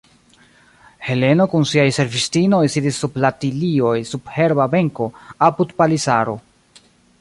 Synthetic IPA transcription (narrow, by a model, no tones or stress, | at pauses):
he̞le̞no̞kunsiajse̞ɾvistino̞jsidisːublatilio̞jsub̥he̞ɾbabe̞ŋko̞apudpalisaɾo